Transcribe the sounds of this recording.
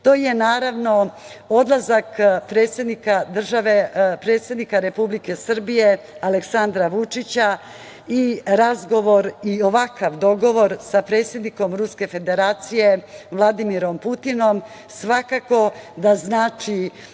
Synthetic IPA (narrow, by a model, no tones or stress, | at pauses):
t̪o̞ːjenaːɾaʋno̞ | o̞d̪lazakpɾet̪sjed̪nikad̪r̩ʒaʋepɾe̞ːt̪se̞d̪nikaɾe̞publike̞sr̩bije̞ | aleksand̪ɾaʋut͡ʂit͡ɕa | iɾazɡo̞ʋo̞ɾioʋakaʋd̪o̞ɡo̞ʋo̞ɾsapɾe̞ːt̪sje̞d̪niko̞mɾuske̞fe̞d̪e̞ɾaːt̪sijeʋlˠad̪imiɾo̞mput̪ino̞m | sʋakako̞d̪aznaːt͡ʂi